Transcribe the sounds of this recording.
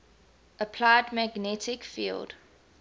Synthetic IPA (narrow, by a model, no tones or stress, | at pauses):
əpʰlaɪdmæɡnɛtɪkfḭːlˠd̥